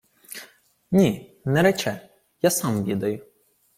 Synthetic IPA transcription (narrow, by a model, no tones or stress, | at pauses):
nʲinɛɾɛt͡ʃɛ | jasɑmʋʲid̪ɐjʊ